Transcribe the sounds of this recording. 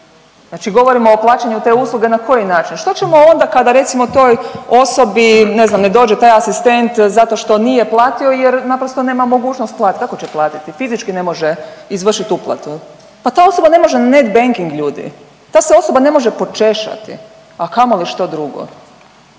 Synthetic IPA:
znaːt͡ʃiɡo̞ʋo̞ɾimoːplˠaːt͡ʃeɲut̪e̞ːuslˠuɡe̞nako̞jinaːt͡ʃinʃt̪o̞t͡ʃe̞moo̞nd̪akad̪aɾe̞t̪simot̪o̞jo̞so̞bine̞znamne̞d̪o̞ːd͡ʒet̪aːjasist̪e̞nt̪zat̪o̞ʃt̪o̞nijeplˠaːt̪io̞jeɾnapɾost̪one̞ːmamo̞ɡuːt͡ʃnost̪̚plaːt̪t̪kako̞t͡ɕeplˠaːt̪it̪ifizit͡ʃkine̞mo̞ʒeizʋr̩ʃit̪uplˠa̰t̪u | pat̪aːo̞so̞bane̞mo̞ʒenanet̪beŋkiŋɡʎuːd̪ḭ | t̪aːseo̞so̞bane̞mo̞ʒepo̞t͡ʃe̞ʃa̰t̪ḭ | akamoliʃt̪o̞d̪ɾuɡo̰

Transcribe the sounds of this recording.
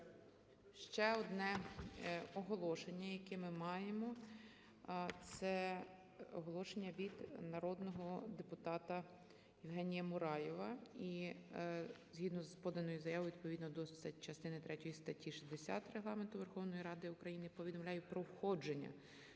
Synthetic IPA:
ʃt͡ʃɛɔd̪nɛ | ɔɦɔlˠɔʃenʲːɐjɐkɛmɪmɑjemɔ | t̪sɛ | ɔɦɔlˠɔʃenʲːɐʋʲid̪nɐɾɔd̪nɔɦɔd̪epʊt̪ɑt̪ɐ | jɪwɦɛnʲijɐmʊɾɑjɛʋɐi | zɦʲid̪nɔzpɔd̪ɐnɔjʊzɐjɑʋɔjʋʲid̪̚pɔʋʲid̪nɔd̪ɔst͡ʃɐst̪ɪnɪt̪ɾɛtʲɔjist̪ɐtʲːiʃizd̪esʲa̰t̪reɦlˠɑment̪ʊʋerxɔwnɔjiɾɑd̪ɪʊkɾɐjinɪpɔʋʲid̪ɔmlʲajʊpɾɔwxɔd͡ʒe̞nʲːɐ̰

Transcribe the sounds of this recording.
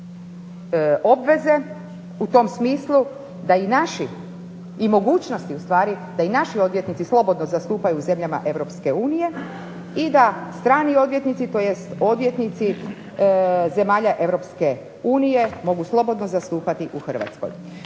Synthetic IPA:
o̞bʋe̞ze̞ | ut̪o̞msmiːslˠu | d̪ainaʃi | imo̞ɡuːt͡ɕno̞st̪iust̪ʋaːɾi | d̪ainaʃio̞d̪ʋje̞t̪nit̪sislˠo̞bo̞d̪nozast̪uːpajuːze̞mʎama̰ʔe̞ʋɾo̞pske̞uːnije̞ | id̪ast̪ɾaːnio̞d̪ʋje̞t̪nit̪sit̪o̞jest̪o̞d̪ʋje̞t̪nit̪si | ze̞maːʎaʔe̞ʋɾopske̞ | uːnije̞mo̞ɡuslˠo̞bo̞d̪no̞zast̪uːpat̪iʔuxr̩ʋa̰t̪sko̰j

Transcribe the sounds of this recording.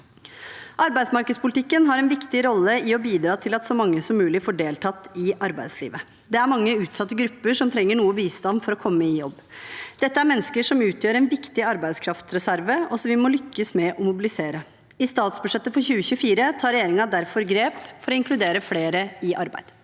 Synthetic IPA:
ʔɑɾbæɪsmɑɾkəd̪spʊlɪt̪ɪkːənɦɑɾɛnʋɪkt̪ɪɾɔlːəɪɔbiːd̪ɾɑːt̪ʰɪlɑt̪sɔmɑŋːəsɔmʉːlɪfoːɖeːlt̪ʰɑt̪ːɪʔɑɾbæɪd̪slḭːʋə | d̪ɛæɾmɑŋːəʉːt̪sɑt̪ːəɡɾʉpːəʂɔmt̪ʰɾɛŋːəɳuːəbiːst̪ɑnfɔɾɔkʰɔmːəɪjɔbːd̪̥ɛt̪ːəæɾmɛnːəskəʂɔmʉːt̪ʰjøːɾɛnʋɪkt̪ɪɑɾbæɪd̪skʰɾɑft̪ɾɛsæɾʋəɔsɔmʋɪmɔlʏkːəsmɛʔɔmʊbɪlɪseːɾə | ɪst̪ɑːt̪sbʉʂɛt̪ːəfɔɾçʉːəçʉːəfiːɾət̪ʰɑːɾɛjeːɾɪŋɑd̪æɾfɔɾɡɾeːpfɔɾɔɪŋkʰlʉd̪eːɾəfleːɾəɪʔɑɾbæ̰ɪd̪̥

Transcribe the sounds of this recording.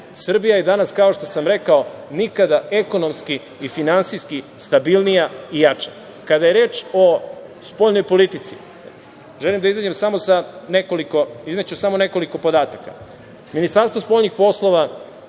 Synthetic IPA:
sr̩bijajed̪anaskao̞ʃt̪osamɾe̞kaonikad̪ae̞ko̞no̞mskiː | finansijskist̪abilˠnijaijat͡ʃa | kad̪ajeɾe̞ːt͡ʃo̞spo̞ːʎnojpo̞lit̪it̪si̥ | ʒelimd̪aizad͡ʑemsamosanekolikoizmet͡ɕusamone̞ko̞liko̞po̞d̪aːt̪aka̰ | minist̪aɾst̪vo̞spo̞ʎnixpo̞slˠo̞ʋa

